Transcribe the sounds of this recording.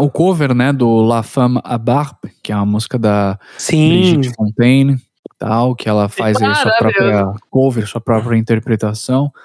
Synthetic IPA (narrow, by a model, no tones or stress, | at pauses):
ʊkoveɾnɛd̪ʊlafɐ̃ma̰baɾpkɪɛũmɐmuzi̥kɐd̪ɐsĩɾid͡ʒid͡ʒɪfõnt̪ẽj̃nɪ | t̪ʰa̰wkɪɛlɐfajzɐiɐsuɐpɾɔpɾiɐkoveɾsuɐpɾɔpɾiɐĩnt̪eɾpɾet̪asɐ̃w̃